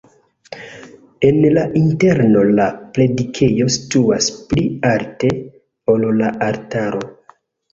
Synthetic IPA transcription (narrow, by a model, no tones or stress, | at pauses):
e̞nlaʔinte̞ɾno̞laple̞dikʰe̞jo̞si̥tuaspliaɾte̞ | ollaʔaɾtaɾo̞